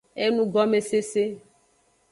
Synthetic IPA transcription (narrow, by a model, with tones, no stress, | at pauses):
e˦nũ˦ɡɔ˦me˨se˦se˦